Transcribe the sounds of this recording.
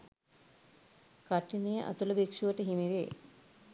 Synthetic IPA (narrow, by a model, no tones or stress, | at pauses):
kaʈːinejəʔa̰t̪uləbekʂuʋəʈəɦimiʋḛ